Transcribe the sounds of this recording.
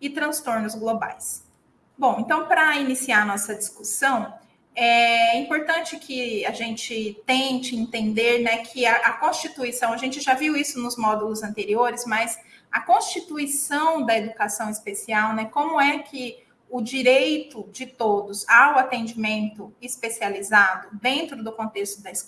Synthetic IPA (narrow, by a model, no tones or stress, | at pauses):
ɪt̪ɾɐ̃st̪oɾnʊzɡloba̰js | bõw̃ẽnt̪ɐ̃w̃pɾɐinisiaɐnɔsɐd͡ʒiskusɐ̃w̃ | ɛɛĩpoɾt̪ɐ̃nt͡ʃɪkʰɪɐʒẽnt͡ʃɪt̪ẽt͡ʃɪĩnt̪ẽnd̪eɾnɛkʰɪɐʔɐkõst͡ʃit̪uisɐ̃w̃ɐʒẽnt͡ʃɪʒaviwisʊnʊzmɔd̪ulʊzɐ̃nt̪eɾioɾɪzmɐz | ɐkõst͡ʃit̪uisɐ̃w̃d̪ɐed̪ukasɐ̃w̃ɪspesiawnɛkõmʊɛkʰɪ | ʊd͡ʒiɾejt̪ʊd͡ʒɪt̪od̪ʊzawat̪ẽd͡ʒimẽnt̪ʊɪspesializad̪ʊd̪ẽnt̪ɾʊd̪ʊkõt̪est̪ʊd̪ɐɪs